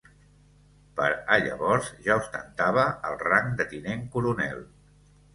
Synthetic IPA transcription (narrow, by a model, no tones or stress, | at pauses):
pəɾəʎə̰βɔɾzʒaust̪ənt̪aβ̞əəlˠraŋd̪ət̪ineŋkuɾunɛ̰lˠ